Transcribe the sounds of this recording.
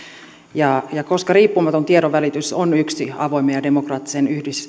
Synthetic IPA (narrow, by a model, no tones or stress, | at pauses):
jɑjɑkoskɑriːpːumɑt̪ont̪ieɾoʋʋælit̪ysonyksiɑ̰ʋoimejɑdemokrɑːt̪ːi̥senyhdis